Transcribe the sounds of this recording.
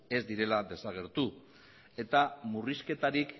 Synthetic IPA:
e̞zd̪iɾe̞lad̪e̞saɣ̞e̞ɾt̪u | e̞t̪amuriske̞t̪aɾik

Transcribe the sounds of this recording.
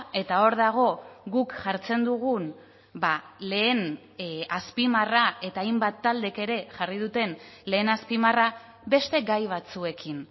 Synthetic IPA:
e̞t̪ao̞ɾðaɣ̞o̞ɣukʝaɾt͡se̞nd̪uɣ̞un | bale̞ːn | aspimarae̞t̪aːjmbat̪ːald̪e̞ke̞ɾe̞ʝarið̞ut̪e̞nle̞ːnaspimara | be̞st̪e̞ɡajβ̞at͡sue̞kin

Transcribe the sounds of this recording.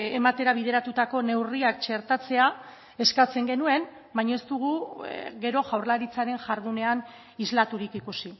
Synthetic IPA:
emat̪e̞ɾaβ̞ið̞e̞ɾat̪ut̪ako̞ne̞wriak̚t͡ʃe̞ɾt̪at͡se̞a | e̞skat͡se̞ŋɡe̞nue̞n | bajɲae̞st̪uɣ̞uɣe̞ɾo̞ʝawɾlaɾit͡saɾe̞ŋʝaɾðune̞an | izlat̪uɾikikusi

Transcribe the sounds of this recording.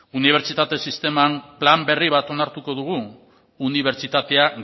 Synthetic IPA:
uniβ̞e̞ɾt͡ʃit̪at̪e̞sist̪e̞mamplambe̞riβ̞at̪o̞naɾt̪uko̞ðuɣ̞uː | niβ̞e̞ɾt͡ʃit̪at̪e̞a

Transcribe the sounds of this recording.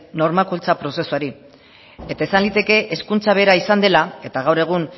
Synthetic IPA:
no̞ɾmakult͡sapɾo̞se̞suaɾi | e̞t̪aesanlit̪e̞ke̞ʔeskunt͡saβe̞ːɾaisand̪e̞lae̞t̪aɣawɾe̞ɣ̞un

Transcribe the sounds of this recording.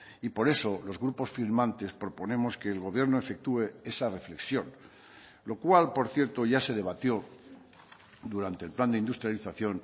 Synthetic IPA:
ipo̞ɾe̞so̞lo̞zɣɾupo̞sfiɾmãnt̪e̞spɾo̞po̞nẽ̞mo̞ske̞ːlɣo̞βje̞ɾnoefe̞k̚t̪ue̞e̞sare̞fle̞ksjo̞n | lo̞kwalpo̞ɾθje̞ɾt̪o̞ʝase̞ð̞e̞β̞at̪jo̞ | d̪uɾant̪eːlpland̪eind̪ust̪ɾjaliθaθjo̞n

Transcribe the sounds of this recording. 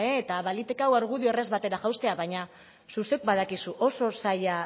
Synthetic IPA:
eːt̪aβalit̪ekawaɾɣuðio̞ere̞zβat̪e̞ɾaʝawst̪e̞aβaɲa | susek̚baðakisuʔo̞so̞saja

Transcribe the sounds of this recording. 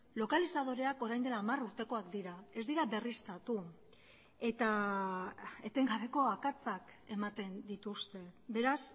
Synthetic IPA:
lo̞kalisaðo̞ɾe̞ako̞ɾajnd̪e̞laːmaruɾt̪e̞ko̞akd̪iɾae̞zd̪iɾabe̞rist̪at̪u | e̞t̪a | e̞t̪e̞ŋɡaβe̞ko̞akat͡sake̞mat̪e̞nd̪it̪ust̪e̞be̞ɾas

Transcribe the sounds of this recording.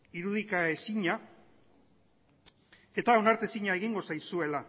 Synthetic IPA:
iɾuð̞ikae̞siɲa | e̞t̪aonaɾt̪e̞siɲae̞ɣiŋɡo̞sajsue̞la

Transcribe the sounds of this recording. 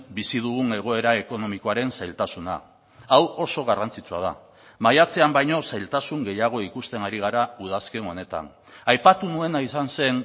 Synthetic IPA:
bisiðuɣune̞ɣ̞o̞e̞ɾae̞ko̞no̞miko̞aɾe̞nsajlt̪asuna̰ | awo̞so̞ɣarant͡sit͡sua̰ð̞a̰ | majat͡se̞ambajɲo̞sajlt̪asuŋɡe̞jaɣ̞o̞ikust̪e̞naɾiɣ̞aɾauð̞aske̞no̞ne̞t̪a̰n | ajpat̪unue̞naisanse̞n

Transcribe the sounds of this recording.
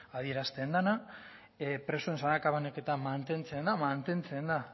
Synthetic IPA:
að̞ie̞ɾast̪end̪ana | pɾe̞sue̞nsanakaβaneke̞t̪amant̪e̞nt͡se̞nd̪amant̪e̞nt͡se̞nd̪a

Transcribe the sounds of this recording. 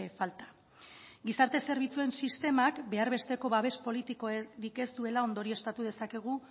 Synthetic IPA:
efalt̪ḁ | ɡisaɾt̪e̞se̞ɾβ̞it͡sue̞nsist̪e̞makbe̞aɾβe̞st̪e̞ko̞βaβe̞spo̞lit̪iko̞eɾike̞st̪ue̞lao̞nd̪o̞ɾie̞st̪at̪uð̞e̞sake̞ɣ̞u

